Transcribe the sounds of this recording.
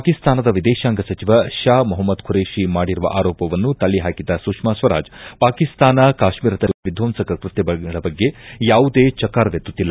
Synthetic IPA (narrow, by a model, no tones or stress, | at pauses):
pakist̪aːnɐd̪ɐʋid̪ɛːʃaːŋɡɐsɐt͡ʃiʋɐʃaːmuɦɐmːɐd̪kʰuɾeːʃimaːɽiɾuʋɐ̰ʔaːɾɔːpɐʋɐnːut̪ɐɭːiɦaːkid̪ɐsuːkʂmaːsʋɐɾa̰ːd͡ʒpaːkist̪aːnɐkaːʃmiːɾɐd̪ɐʋid̪ʱʋɐmsɐkɐkɾut̪jɐɐɐɭɐbɐɡːe̞jaːʋud̪eːt͡ʃɐkaːɾʋjet̪ːut̪ːilːɐ